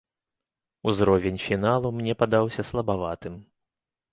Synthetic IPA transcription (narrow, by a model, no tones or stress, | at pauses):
uzɾɔvʲenʲfʲinalˠumnʲɛpad̪awsʲɐslˠɐbavat̪ɨm